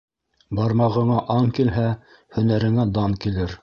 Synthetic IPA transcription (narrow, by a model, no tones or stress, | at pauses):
bɑɾmɑʁɤ̆ɴɑʔɑŋkilɦæ | hɵ̆næɾɘ̆ŋæd̪ɑŋkilɘɾ